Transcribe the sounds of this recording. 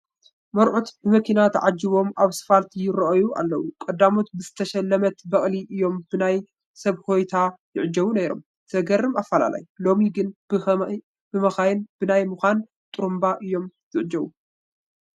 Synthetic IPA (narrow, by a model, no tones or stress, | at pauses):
mɐɾʕut̪bɨmɐkʰinat̪ʰɐʕad͡ʒːiβo̞maβsɨ̥falt̪ʰijɪɾɐʔɐjua̰lːɐwukʼɐd̪ːamot̪bɨzɨt̪ʰɐʃɐlːɐmɐt̪bɐχʼliʔɨjːo̞mb̥ɨnaj | sɐβho̞jt̪ʰajɪʕɨd͡ʒɐβunejɾo̞̰m | t̪ʰɐɡɐɾɨmafːala̰la̰jlo̞miɡɨnb̥ɨ | b̥ɨmɐxajɪnbɨnajmɨxʷan | t̪ʼuɾumbaʔɨjːo̞mz̥ɨʕd͡ʒɐβu